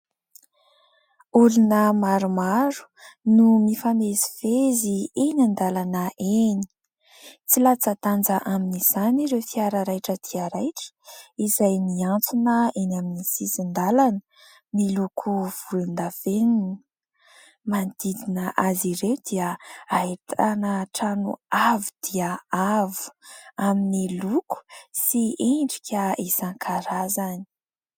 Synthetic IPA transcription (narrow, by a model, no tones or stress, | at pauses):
ulunəmaɾumaɾu̥numifanezivezienand̪alanəʔeni̥ | t͡silat͡sət̪and͡zəʔaminiz̥aniɾefiaɾəɾajʈ͡ʂət̪ʰiaɾajʈ͡ʂə̥izajniant͡sunəenaminisisind̪alanə̥ | nilukʰuv̥ulund̪aveninə | mand̪id̪inəʔaziɾewd̪̥iəait̪anəʈ͡ʂanṵavud̪̥iəavu̥aminiluku̥sieɳɖ͡ʐikʲəizaŋkʰaɾazanii̥